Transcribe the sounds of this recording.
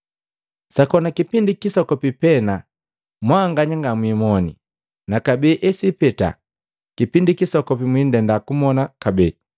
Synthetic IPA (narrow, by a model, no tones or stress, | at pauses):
sakɔnakipindikisɔkɔpipɛna | mwaːŋɡaɲaŋɡamwimɔnḭ | nakabɛːʔɛsipɛta̰ | kipindikisɔkɔpimwindɛndakumɔnakabɛː